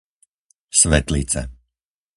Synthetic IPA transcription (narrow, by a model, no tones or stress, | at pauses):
svɛt̪ʲlˠiːt̪sɛ